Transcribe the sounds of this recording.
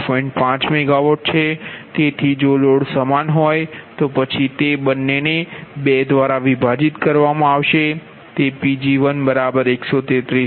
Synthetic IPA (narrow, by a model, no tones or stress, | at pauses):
pɔĩɳʈpãt͡ʃmɛɡaʋoʈ̚t͡ʃʰet̪et̪ʰid͡ʒoloɽsəmanɦɔjt̪opət͡ʃʰit̪ebənːenebed̪ʋaɾaʋibʱad͡ʒit̪kəɾʋamãaʋʃe | t̪epid͡ʒiʋənbəɾabəɾeksot̪et̪ɾi